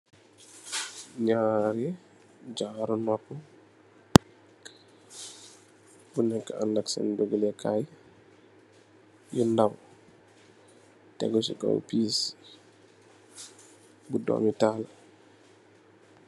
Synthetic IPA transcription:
ɲaɾɛ | d͡ʒaɾɔnɔkːɔ | bunɛkːaanːaksa̰ndoɡəlɛkʰaj | jundaw | tɛ̰ɡɔsḭka̰wpiːs | budɔ̰mitaːla

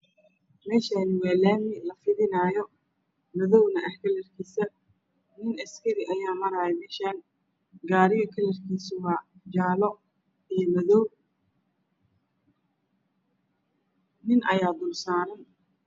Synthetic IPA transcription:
mɛːʃanɪwɑːlɛːmɪlɐfɪðɪnaːjɔ | mɐðɔwnɐʔɐħkʰɐlɛrkʰiːsɐ | nɪnɐskʰɐɾɪʔɐjaːmɐɾaːɛmɛːʃaːn | ɡaːɾɪɣɐkʰɐlɛrkʰiːsʊwɑːd͡ʒaːlɔ | ijmɐðɔw | nɪnʔɐjaːd̪ʊlsaːɾɐn

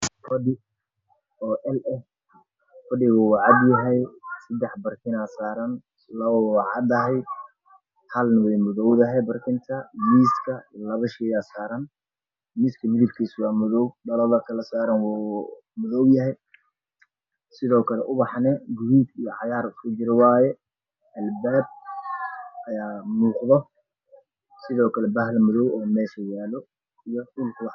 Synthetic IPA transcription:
fɐdɪ | ɔːʔɛlɛf | fɐdɪɣʊwɑʕɑd̪jɐɦɛjsɐd̪ɛħbɐrkʰɪnaːsaːɾɐn | lɐβɐwɑʕɑ̰d̪ɐɦɛj | hɐlnɐwɛjmʊðɔwðɐɦɛbɐrkʰɪnt̪ʰɐmiːskʰɐlɐβɐʃɛjaːsaːɾɐn | miːskʰɐmɪðɪb̚kʰiːswɑːmʊðɔwɖɐlɔlɐkʰɐlɐsaːɾɐnw | mʊðɔwjɐɦɛj | sɪðɔːkʰɐlɛʔʊβɑħnɛɡʊhuːd̪ijɔʕɑjaːɾkʰʊd͡ʒɪɾɐwɑːjɛ | ʔɐlbaːb̚ | ʔɐjaːmuːqðɔ | sɪðɔːkʰɐlɛbɐɦlmʊðɔwɔːmɛːʃɐjaːlɔ | ijɔʔʊlkʰʊwħ

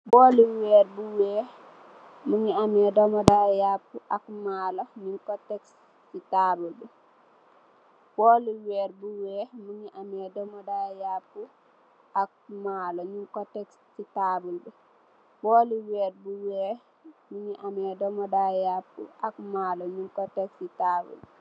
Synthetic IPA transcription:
bɔːliwɛːɾ̚buwɛː | muŋiamɛdɔmɔdajapːuʔakmaːlɔɲuŋkɔtɛks | titaːbulbɛ | b̥ɔliwɛːɾ̚buwɛːmuŋiʔamɛdɔmɔdajapːu | ʔak̚malɔɲuŋkɔtɛkssitabulbɛ | bɔliwɛɾ̚buwɛ | muŋiʔamɛdɔmɔdajapːṵakmaːlɔɲuŋkɔtɛksitabṵl

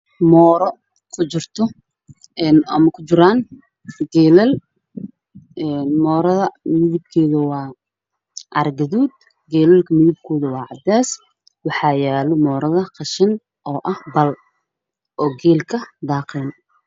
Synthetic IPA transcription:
mɔːɾɔ | kʰʊt͡ʃɪrt̪ʰɔ | ɛːnɐ̰mɐkʰʊt͡ʃɪɾaːn | ɡɛːlɛl | ʔɛːnmɔːɾɐðɐmɪðɪb̚kʰɛːðɐwɑː | ʔɐrɡɐðuːd̪̚ | ɡɛːlɛlkʰɐmɪðɪb̚kʰɔːðɐwɑːʕɑd̪ɛːs | wɑħɑːjaːlɔmɔːɾɐðɐqɑʃɪn | ʔɔːʔɐhbɐl | ʔɔːɡɛːlkʰɐd̪ɑːqɛːn

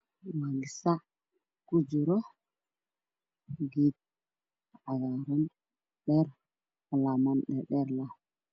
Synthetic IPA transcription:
maɡisa | kud͡ʒuɾo | ɡit̪̚ | aɡaɾon | ɗeɾ | lamonɗeɗeɾla

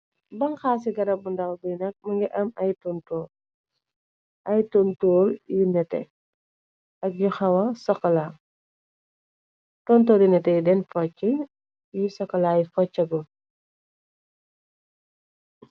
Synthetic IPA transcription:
bɐŋxaːs̬iɡɐɾɐbundɐlbujnɐk̚mɐŋɡɛʔɐmɐjtɔntɔːl | ʔɐjtɔntɔːljinɛtɛ̰ | ʔɐk̚juxɐwɐsɔkːɐlaː | tɔntɔːljunɛtɛjudɛnfɔt͡ʃːɛ | jisɔkːɐlaːjifɔt͡ʃːɐɡɔ

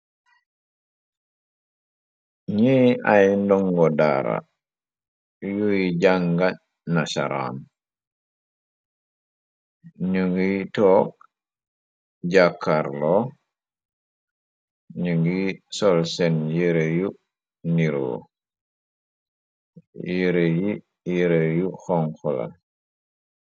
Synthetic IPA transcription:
ɲiajndɔŋɡɔda̰ɾa̰ | jujiɟaŋɡa | nasa̰ɾa̰ːn | ɲuŋɡitɔːk̚ | ɟakːaɾlɔ | ɲuŋɡisɔlsɛnjeɾeju | niɾo̰ | jeɾeji | jeɾejuxɔŋkɔla̰

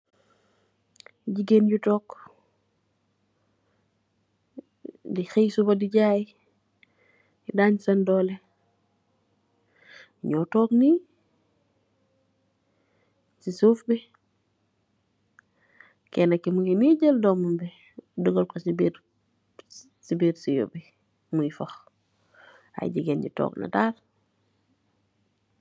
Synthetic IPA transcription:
ɟiɡenɟutoːk | dixejsubadiɟaːji | idaːɲsandoːle | ɲoːtoːkni | sisuːfbi | kenakːimuɡiniɟəldɔmumbi | dəɡolkosibiɾ | sibiːɾsijo̰bi | muɡifox | a̰j̰ɟiɡenɟḭtɔ̰ːkna̰daːl

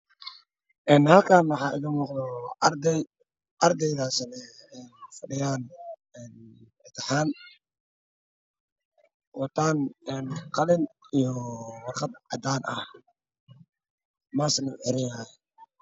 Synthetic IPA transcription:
ʔɛːnhɐlkʰaːnwɑħɑːʔɪðɪmuːqd̪ɔɾd̪ɛj | ʔɐrd̪ɛjðaːsɪnɛːnfɐɖɪjaːnɛːn | ɪt̪ʰɐħaːn | wɑt̪ʰaːnɛnqɑlɪnijɔwɑrχɑd̪ʕɑ̰d̪aːnɐh | maːsɐnʊħɪɾɪjaj

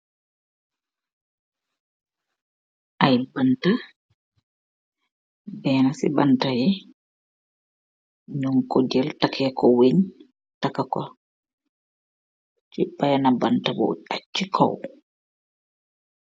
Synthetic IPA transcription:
ʔajbanta | bɛːnasibantajɛ | ɲɔŋkɔd͡ʒɛltakʰɛːkɔweɲ | takakɔ | t͡ʃibːajanabantabɔ̰at͡ʃːikʰɔ̰w

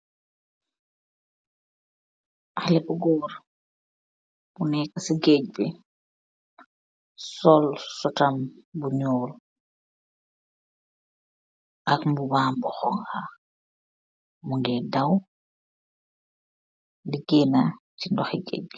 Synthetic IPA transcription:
ʔalɛbuɡɔːɾ | b̥unɛkasiɡeɟ̚be | sɔlsɔtambuɲɔːl | ʔakmbubaːmbɔxɔŋha | muŋɡɛdaw | ndiɡenatindɔxiɡḛɟ̚

